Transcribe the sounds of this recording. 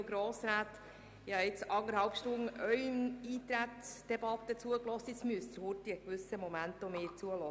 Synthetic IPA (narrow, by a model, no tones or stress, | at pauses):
ɡɾoːsɾæːt̪ | ɪhɑɪt͡sɑŋəɾhɑlpʃtʊŋʔœʏəniːt̪ɾæt̪sd̪̥ɛbɑt̪ːət͡suəklɔst̪ɪt͡smyəst̪əɾhurtiəkʋʏsəmɔmænt̪ɔmeːt͡suəlɔ